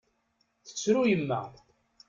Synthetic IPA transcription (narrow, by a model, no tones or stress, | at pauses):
θə̥t͡sːɾujəmːəð